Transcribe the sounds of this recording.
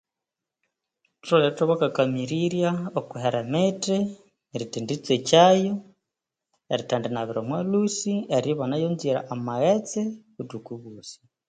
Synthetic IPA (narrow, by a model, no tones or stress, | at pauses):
tɾoleɾitoβakakamiɾiɾjaokuɦeɾamete | eɾitindit͡set͡ʃajo | eɾitandenaβiɾomwalusieɾiβonajoːnziɾa̰ʔamaɣet͡seβudukuβuːsi̥